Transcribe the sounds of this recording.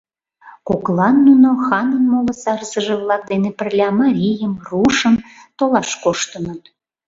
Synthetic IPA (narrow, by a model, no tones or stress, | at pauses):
koklɑnːunoxɑnənmoləsɑɾəsəʒeβlɑk̚d̪enepərlʲɑmɑɾʲijəmruʃəmt̪olɑʃkoʃt̪ənət̪